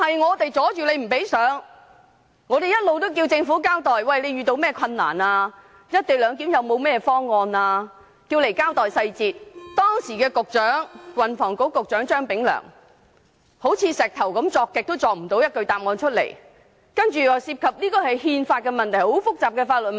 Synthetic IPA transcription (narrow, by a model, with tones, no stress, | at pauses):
hɐ˨jŋɔː˨˧t̪e˨jt͡sɔː˨˥t͡ʃyː˨le˨˧jm̩˨˩pe˨˥jsœː˨˥ŋ | ŋɔː˨˧ɾe˨jɐ˥t̚lo˨wt̪o˥wk̬iː˧wt͡sɪ˧ŋfuː˨˥kaː˥wt̪ɔː˨jwɐ˨jle˨˧jɥyː˨t̪o˧wmɛː˥kʰɐ˧nːa̰ː˨˩naː˧ | jɐ˥t̚t̪e˨ŋlœː˨˧ŋt̪iː˨˥mjɐ˨˧wmo˨˧wmɛː˥˧fɔː˥ŋːɔː˧naː˧ | kiː˧wle˨˩jkaː˥wt̪ɔː˨jsɐ˧jt͡siː˨t̚t̪ɔː˥ŋsiː˨˩kɛː˧kʊ˨k̚t͡ʃœː˨˥ŋwɐ˨nfɔː˨˩ŋko˨˥kʊ˨k̚t͡ʃœː˨˥ŋt͡ʃœː˥ŋpɪ˨˥ŋlœ̰ː˨˩ŋ | ho˨˥wt͡sʰiː˧sɛː˨k̚t̪ʰɐ˨˩wkɐ˨˥mt͡sɔː˧kːɪ˨k̚t̪o˥wt͡sɔː˨m̩˨˩t̪o˨˥wjɐ˥t̚kɵ˧ɥt̪aː˨p̚ŋɔː˧nt͡ʃʰɵ˥t̚lḛ˨˩j | kɐ˥nt͡ʃyː˨siː˧p̚kʰɐ˨p̚liː˥kɔː˧hɐ˨jhiː˧nfaː˧t̚kɛ˧mɐ˨nt̪ʰjho˨˥wfʊ˥k̚t͡saː˨p̚kɛː˧faː˧t̚lə˨˩m